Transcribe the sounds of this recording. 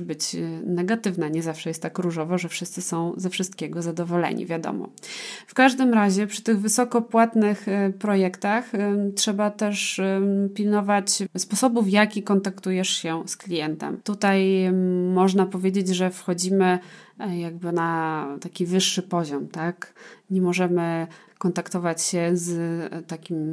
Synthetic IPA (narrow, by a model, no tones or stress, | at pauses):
bɘt͡ɕnɛɡat̪ɘvnaɲɛzafʂɛjɛst̪ːakɾuʐɔvɔʐɛfʂɘst̪sɘsɔ̃w̃zɛfʂɨst̪kʲɛɡɔzad̪ɔvɔlɛ̰ɲḭvʲjad̪ɔ̰mɔ̰ | fkaʐd̪ɘmɾaʑɛpʂɘ̥t̪ɘɣvɘsɔkɔpwat̪nɘxpɾɔjɛkt̪axtʂɛbat̪ɛʂpʲilnɔvat͡ɕspɔsɔbufjakʲikɔnt̪akt̪ujɛʂɕɛsklʲijɛnt̪ɛ̰mt̪ut̪ajmɔʐnapɔvʲjed͡ʑed͡ʑʐɛfxɔd͡ʑimɘjaɡ̚bɘnat̪akʲivɘʂːɘpɔʑɔmt̪akɲɛmɔʐɛmɘ | kɔnt̪akt̪ɔvat͡ɕɕɛzt̪akʲim